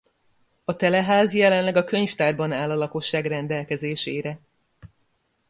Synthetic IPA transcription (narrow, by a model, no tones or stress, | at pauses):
ɒt̪ɛlɛɦaːzjɛlɛnlɛɡɒkø̞ɲft̪aːrbɒnaːlɒlɒko̞ʃːaːɡrɛnd̪ɛlkɛzeːʃeːɾɛ